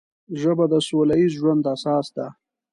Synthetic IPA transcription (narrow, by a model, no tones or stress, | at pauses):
ʒəbad̪əsolaizʒwand̪asɑːsd̪a